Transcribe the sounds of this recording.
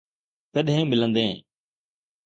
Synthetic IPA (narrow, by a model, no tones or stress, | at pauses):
t̪əɗɦẽːmɪlə̃nd̪ẽː